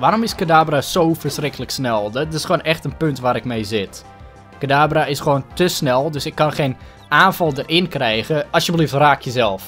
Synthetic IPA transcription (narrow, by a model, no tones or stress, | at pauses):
ʋaːɾomɪskadaːbrasowfərsrɪkʰələksnɛlˠdɪsxwoːnʔɛxtənpøntʋaːɾɪk̚mejzɪt | kadaːbraɪsxʋoːntəsnɛlˠdøsɪkːɑnχejn | ʔaːnfɑlˠdərɪnkrɛjɣəɑsjəbəliftraːkʰjəzɛlˠf